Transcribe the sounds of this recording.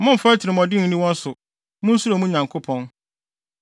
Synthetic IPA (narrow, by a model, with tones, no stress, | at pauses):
mʊ̃˦m̩˨ftʰɪ˨ɾɪ˨mɔ̃˨dɪ˦n̩˨nĩ˦wɔ̃˦n̩˦sʊ˨ | mʊ̃˦n̩˦su˦ɾo˨mũ˦ɲã˨ŋkʰo˦pʰɔ̃˨n